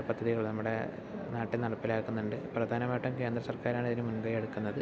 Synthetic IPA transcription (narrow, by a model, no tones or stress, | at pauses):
pɐd̪ʱːɐðiɣɐɭnɐmːuɽe̞̰ | naːʈːilnɐɽɐpːilaːkːunːuɳɖɨprɐd̪ʱaːnɐmaːjiʈːumke̞ːnd̪rɐsɐrkaːɾaːɳiðinɨmunbɐjeɽukːunːɐðɨ